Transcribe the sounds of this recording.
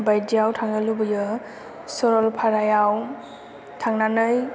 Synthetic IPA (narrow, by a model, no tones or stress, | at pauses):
bajdijawtʰaŋnəlubɯjɯ | sɔɾɔlpʰaɾajaw | tʰaŋnanɯj